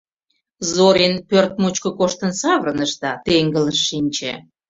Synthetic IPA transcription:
zoɾenpørt̪̚mut͡ɕkə̆koʃt̪ənsɑβəɾənəʃt̪ɑt̪eŋɡələʃːinʲt͡ɕḛ

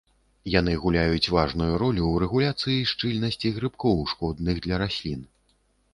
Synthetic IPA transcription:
jan̪ɨɣulʲajut͡sʲvaʐnujuɾɔlʲuwɾɛɣulʲat̪sɨjiʂt͡ʂɨlʲnɐsʲt͡sʲiɣɾɨpkɔwʂkɔd̪nɨɣd̪lʲɐɾasʲlʲin

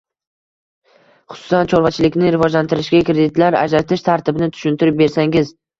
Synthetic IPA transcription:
χʊ̥sʊ̥sant͡ʃʰoɾvat͡ʃʰɪlɪkʲnɪɾɪvɒd͡ʒlant̪ʰɪɾɪʃɡʲakɾe̞d̪ɪt̪laɾa̰d͡ʒɾat̪ʰɪʃt̪ʰaɾt̪ʰɪbɪnɪt̪ʰʊ̥ʃʊnt̪ʰɪɾɪp̚be̞ɾsaŋɪz

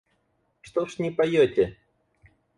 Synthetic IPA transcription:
ʂt̪ɔʂnʲɛpajɔtʲɛ

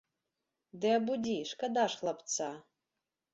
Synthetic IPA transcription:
d̪ɨabudʲiʂkad̪aʂχlˠapt͡sʰa

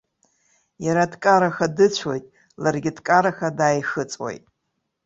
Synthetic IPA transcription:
jaɾadkʼaɾaxadɨt͡ɕʷʰo̞jtʼ | larɡʲɪdkʼaɾaxadaːjxɨt͡sʼwḛjtʼ

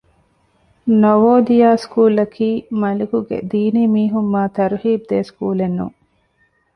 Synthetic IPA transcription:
noʋoːd̪ijaːskuːlɐkʰiːmɐlikuɡḛd̪iːniːmiːɦumːaːt̪ɐɾuhiːb̚d̪eːskuːlenːṵŋ

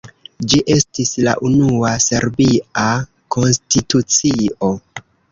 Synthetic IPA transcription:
d͡ʒiʔe̞stisla̰ʔunuase̞ɾbia | kʰo̞nstitut͡sio̞

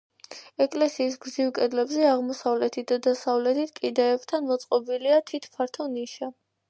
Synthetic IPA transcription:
ɛkʼlɛsiːsɡziwkʼɛd̪lɛbzɛaʁmɔsavlɛt̪ʰit̪̚ʰd̪ad̪asavlɛt̪ʰit̪̚ʰkʼid̪aɛpt̪ʰanmɔt̪sʼqʼɔbiliat̪ʰit̪ʰpʰaɾt̪ʰɔniʃa

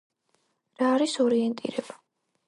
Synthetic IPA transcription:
ɾaːɾisɔɾiɛnt̪ʼḭɾɛba

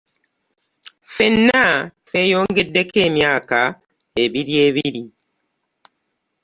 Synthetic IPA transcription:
fenːafejoːŋɡedːekeːmjaːka | eβiɾie̞βiɾi

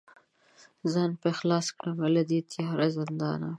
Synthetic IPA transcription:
zɑːnpexlɑskɽawaled̪it̪ʰjɑɾazɪnd̪ɑ̰ːna̰

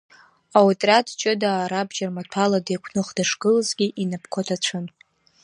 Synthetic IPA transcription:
awtʼrʲadt͡ʃʼɪdaːɾabd͡ʒarmatʷʰaladekʷʰnɨχd̥aʂɡɨlzɡʲiʔinapʰkʷʰotʰat͡ʃʷʰɨn

